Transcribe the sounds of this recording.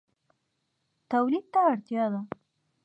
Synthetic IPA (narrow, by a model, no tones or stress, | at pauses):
t̪awlid̪̚t̪aːɽt̪jɑd̪a